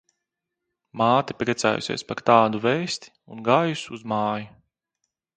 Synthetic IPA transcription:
maːt̪ipɾʲiɛt̪sa̰ːjṵsʲḛːspaɾt̪aːd̪uvɛːsʲt̪ʲi̥unɡaːjusuzmaːju

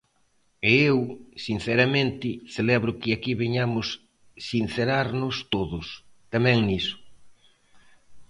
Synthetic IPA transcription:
ɪewsin̟θɛɾamẽnt̪ɪθelɛβɾʊkɪakiβeɲamʊsː | in̟θeɾaɾnʊst̪oðʊst̪amɛ̃ŋnisʊ̥

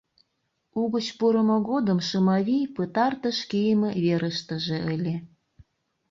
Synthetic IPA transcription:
uɣət͡ɕpuɾəmoɣod̪əmʃəmɑβijpət̪ɑrt̪əʃkejəməβeɾəʃt̪ə̆ʒeʔəlʲe

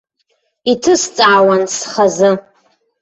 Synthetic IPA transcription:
itʰɨst͡sʼaːwansχazɨ

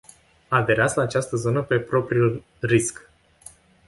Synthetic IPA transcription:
ad̪e̞ɾat̪sʲlaːt͡ʃatst̪əzo̞nəpe̞pɾo̞pɾiul | risk

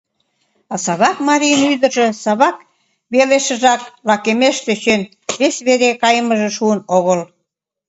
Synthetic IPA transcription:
ɑsɑβɑkmɑɾijənyd̪ə̆rʒĕsɑβɑk | βeleʃə̆ʒɑklɑkemeʃt̪ĕt͡ɕøn | βesβeɾekɑjəməʒĕʃuənoɣəl

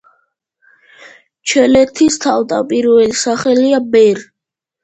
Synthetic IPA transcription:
t͡ʃʰɛlɛt̪ʰist̪ʰavd̪ʼapʼiɾvɛlisaχɛliabɛɾ

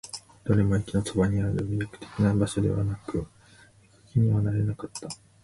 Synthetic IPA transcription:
d̪̥oɾemo̞ikʲinot͡sobaɲ̟iaɾɯmʲiɾokɯ̥t̪e̞̥kʲinabaɕo̞d̪e̞̰βa̰nakɯ̟ | ikḁkʲiɲ̟iβanaɾenakat̪ːa

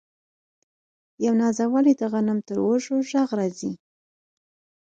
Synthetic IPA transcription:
jawnɑzawɑlid̪əɣanamt̪əɾoʒoʒaɣɾɑzi

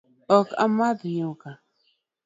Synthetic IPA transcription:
ɔka̰mad̪uɲoka

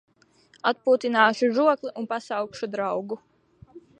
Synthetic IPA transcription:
at̪̚puːt̪inaːʃuʒuɔklˠiʔunpasawkʃud̪ɾawɡu

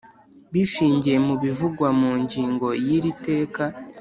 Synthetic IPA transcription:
βiʃiːɲɟije̞muβivuɡwamuːɲɟiːŋɡo̞jiɾite̞ːka

